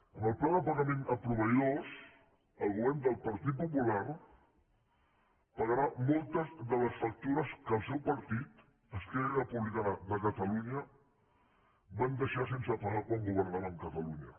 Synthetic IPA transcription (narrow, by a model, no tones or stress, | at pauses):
ənəlˠplaðəpəɣəmẽnəpɾuβəjos | əlˠɣuβɛɾnd̪əlˠpəɾt̪it̪̚pupulaɾ | pəɣəɾamɔlˠt̪əzðələsfək̚t̪uɾəskəlˠsewpəɾt̪it̪ | əsk̪ɛrrəpuβlikanəðəkət̪əluɲə | band̪əʃas̬ensəpaɾakwaŋɡuβəɾnaɾaəŋkət̪əluɲə